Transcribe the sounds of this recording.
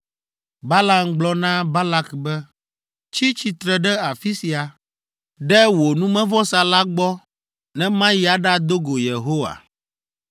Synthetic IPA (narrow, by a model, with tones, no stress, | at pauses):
ba˦la˨mɡ͡blɔ˦nã˦ba˦la˦kbɛ˦ | t͡ʃi˦t͡ʃi˨t̪ɾɛ˨ɖɛ˦a˨fi˦si˨a˨ | ɖɛ˦wo˨nũ˦mɛ̃˦vɔ˦sa˨la˦ɡ͡bɔ˦ | nɛ̃˦mã˦ji˦a˨ɖa˦d̪o˦ɡo˨je˨ɦo˦wa̰˨